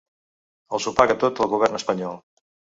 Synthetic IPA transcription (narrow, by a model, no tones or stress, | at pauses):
əlˠsupaɣət̪ot̪əlˠɣuβ̞ɛrnəspəɲɔlˠ